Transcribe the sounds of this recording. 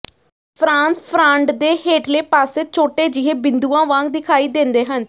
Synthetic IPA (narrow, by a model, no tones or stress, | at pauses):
pʰɾãːnspʰɾãːɳɖd̪eːheːʈleːpaːseːt͡ʃʰoːʈeːd͡ʒɪɦeːbɪnd̪uːãːʋãːŋɡd̪ɪkʰaːiːd̪ẽnd̪eːɦən